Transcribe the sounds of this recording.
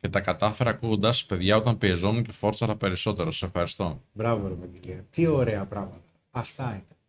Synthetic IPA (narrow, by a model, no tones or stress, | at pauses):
ce̞t̪ɐkɐt̪ɐfe̞ɾɐːkuɣond̪ɐspe̞ðʝɐo̞t̪ɐmpiezo̞nuɲce̞fo̞ɾt͡sɐɾɐpe̞ɾiso̞t̪e̞ɾosɐ̥sefxɐɾist̪o̞bɾɐvobɾɐvɐkiliɐt̪io̞ɾeɐpɾɐmɐt̪ɐːft̪ɐit̪ɐn